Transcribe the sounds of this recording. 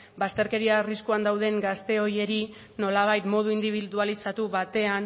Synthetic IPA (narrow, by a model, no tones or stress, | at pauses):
bast̪e̞ɾke̞ɾiariskuand̪awðe̞ŋɡast̪e̞o̞je̞ɾi | no̞laβajt̪mo̞ð̞uind̪iβ̞iðualisat̪uβat̪e̞an